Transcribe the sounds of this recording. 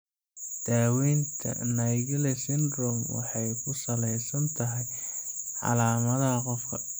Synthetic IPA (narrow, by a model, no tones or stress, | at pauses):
d̪̥aːwɛjnt̪ʰɐ̰najɣɐlɛsɪnd̪rɔmwɑ̰ħɑjkʰʊsɐlɛjsɐnt̪ʰɐɦɛjʕɑ̰laːmɐðɐqɔfkʰɐ